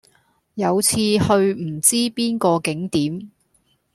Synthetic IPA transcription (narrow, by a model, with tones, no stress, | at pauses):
jɐ˨˧wt͡sʰiː˧hɵ˧ɥm̩˨˩t͡siː˥piː˥nkɔː˧kɪ˨˥ŋt̪iː˨˥m